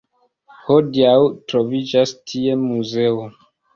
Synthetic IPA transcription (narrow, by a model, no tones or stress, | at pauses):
hodiawtɾovid͡ʒastʰie̞muze̞o